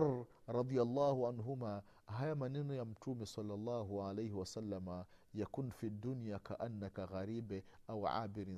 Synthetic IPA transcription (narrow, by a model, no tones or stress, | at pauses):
ɾˤɑd̪ˤɨjalˤːɑːhʕanɦʊmaː | ɦajamaninjamt̪uːmisˤɑlːɑlˤːɑːɦʕalajhɪwasalːamajakuːnfid̪ːʊnjakaʔanːakaɣaɾiːbʔawʕa̰ːbɪɾ